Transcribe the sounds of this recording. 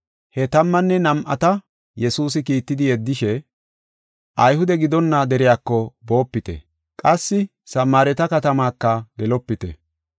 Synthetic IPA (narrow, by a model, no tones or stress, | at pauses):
hɛt̪ɐmːɐnːɛnɐmʔɐ̰t̪ɐ | jɛsuːs̬ɪkiːt̪ːɪd̪ɪjɛd̪ːɪʃɛ | ʔɐjhʊd̪ɛɡɪd̪ɔnːɐd̪ɛɾɪjaːkːɔbo̞ːpːɪt̪ɛ̰ | kʼɐsːɪ | sɐmːaːɾɛt̪ɐkɐt̪ɐmaːkːɐɡɛlɔpːɪt̪ɛ̰